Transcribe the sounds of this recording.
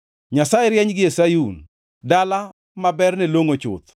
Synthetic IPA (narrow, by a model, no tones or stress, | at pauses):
ɲasajɛɾjɛɲɡɪesajun | dala | mabɛrnɛloŋot͡ʃʊ̰t̪